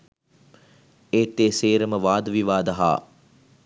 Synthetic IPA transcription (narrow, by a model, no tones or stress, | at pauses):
eːt̪ːeːseːɾəməʋaːd̪əʋiʋaːd̪ɐɦa̰ː